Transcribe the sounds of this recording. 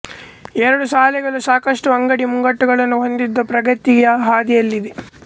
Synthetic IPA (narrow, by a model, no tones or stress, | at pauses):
ɛɾɐɽusaːlɛɡɐɭusaːkɐʂʈuɐŋɡɐɽimuŋɡɐʈːuɡɐɭɐnːuɦo̞nd̪id̪ːɐpɾɐɡɐt̪iɡjɐɦaːd̪ijɐlːid̪e